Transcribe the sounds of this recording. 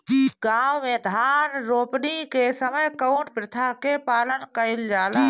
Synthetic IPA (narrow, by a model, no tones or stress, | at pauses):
ɡaːʋmẽd̪ʱaːnɾoːpnikesəməjkəʊɳʈ̚pɾɪt̪ʰakepaːlənkəɪld͡ʒaːlaː